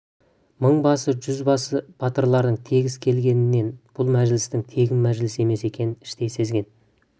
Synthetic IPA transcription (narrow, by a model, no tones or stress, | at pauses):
məɴbɑsəʒʏzbɑsəb̥ɑt̪əɾlˠɑɾd̪əɴt̪ʰe̞ɡʲɪzkʲʰe̞lɡʲe̞nɪnːe̞nb̥ʊlˠmæʒlɪst̪ɪŋt̪ʰe̞ɡʲɪmmæʒlɪse̞me̞se̞kʲʰe̞nɪnɪʃt̪e̞jse̞zɡʲe̞n